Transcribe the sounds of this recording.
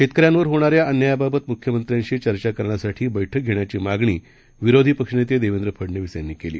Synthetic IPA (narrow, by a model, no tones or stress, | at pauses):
ɕʰet̪kəɾjanʋəɾɦoɽ̃aɾjaʔənːəjababət̪mukʰjəmənt̪ɾjãɲt͡ɕiːt͡ɕəɾt͡ɕakəɾɳjasaʈʰiːbəjʈʰək̚ɡʱeɽɳjat͡ɕiːmaɡɳiː | ʋiɾod̪ʱipəkʂɳet̪jed̪eʋend̪ɾəpʰəɽnəʋisjanːiːkelḭː